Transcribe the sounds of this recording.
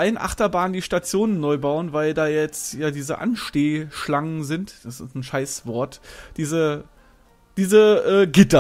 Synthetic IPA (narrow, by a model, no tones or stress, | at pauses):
ʔaɪənʔa̰χtɐbaːndiːʃtat͡sjoːnənːɔʏbaʊənvaɪldaːjɛt͡stjaːdiːzə̰ʔa̰nʃteːʃlaŋənzɪntd̥asɪstn̩ʃaɪsv̥ɔɐtd̥iːzə | d̥iːzəʔɛːɡɪtɐ